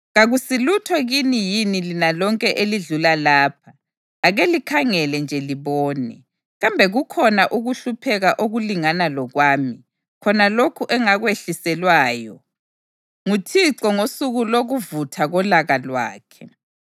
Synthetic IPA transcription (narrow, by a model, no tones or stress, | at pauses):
ɣaɣusilutʰɔɣinijinilinalɔŋkʼɛʔeliɮulalaːp̚ʰaː | ɣelikʰaŋɛlɛnd͡ʒʱɛliβɔːnɛ | ɣambʱɛɣukʰɔnaʔuɣuɬupʰɛɣaʔoɣuliŋanalɔɣwaːmi | kʰɔnalokʰuʔɛŋaɣweɬisɛlwaːjɔ | ŋutʰiǀɔŋosuɣuloɣuvutʰaɣɔlaɣalwa̰ːkʰɛ